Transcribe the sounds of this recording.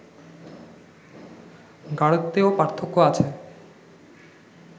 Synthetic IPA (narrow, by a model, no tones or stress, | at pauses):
ɡaɽot̪ːeopaɾt̪ʰokːoat͡ɕʰe